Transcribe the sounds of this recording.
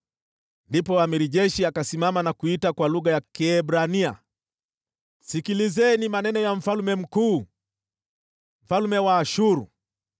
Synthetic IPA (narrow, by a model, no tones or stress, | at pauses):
ndipɔamɛɾiʄɛʃiakasimamanakuitakwaluɣajakɛːbɾania | sikilizɛnimanɛnɔjam̩falmɛm̩kuː | m̩falumɛwaːʃuɾu